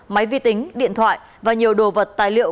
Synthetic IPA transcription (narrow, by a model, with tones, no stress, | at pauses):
ma˨˦jvḭ˧˨t̪ï˨˦ŋ̟ɗḭ˧˨ənt̪ʰwa̰ː˧˨j | vaː˨˩ɲi˨˩əwɗo˨˩və˨˩t̚t̪a̰ː˧˨jlḭ˧˨əw